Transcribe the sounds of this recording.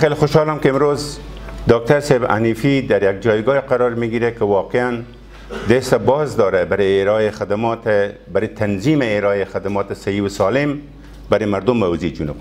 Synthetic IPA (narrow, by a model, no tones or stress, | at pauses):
xelxʊʃhɑlamkeɪmɾozd̪ɑk̚t̪aɾseba̰nifid̪aɾjaɡ̚d͡ʒɑjɡɑeqaɾɑɾmiɡiɾakɪwɑqean | d̪est̪abɑzd̪ɑɾabaɾeɾexad̪amt̪baɾet̪ʰanzimeːɾɑexad̪amɑt̪ɪsahiwʊsɑlɪm | baɾemaɾd̪ʊmːawzed͡ʒunub